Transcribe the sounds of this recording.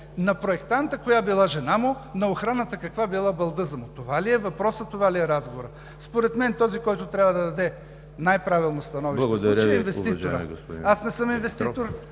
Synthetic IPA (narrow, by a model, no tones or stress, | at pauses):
nɐpɾoɛkt̪ant̪əkojabilˠaʒɛnamʊnɐoxɾanət̪əkɐkvabilˠabɐlˠd̪ɤzɐmʊt̪ovaliɛvɐpɾɔsət̪ovaliɛɾazɡovoɾə | spoɾɛt̪mɛnt̪ɔzikɔjt̪ʊt̪ɾʲavəd̪ɐd̪ɐd̪ɛ | najpɾavilˠnost̪ɐnɔvilʃˠɐɡtd̪ɐɾɛinvɛsioɾə̰ɡsasnɛsɤminvɛst̪it̪oɾ